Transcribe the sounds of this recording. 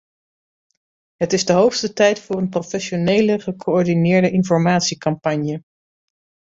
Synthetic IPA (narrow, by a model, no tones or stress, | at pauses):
ɦətɪzdəɦowχstətɛjtfʊːrənprofɛʃonejləχəkʰoɔɹdinɪːɹdəʔɪnfɔɹmaːtsikɑmpɑɲjə